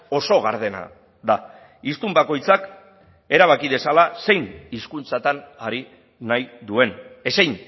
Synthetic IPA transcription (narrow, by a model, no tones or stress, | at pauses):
o̞so̞ɣaɾðe̞na̰ | ða | ist̪umbako̞jt͡sak | e̞ɾaβ̞akið̞e̞salase̞jniskunt͡sat̪anaɾi | najðue̞ne̞sejn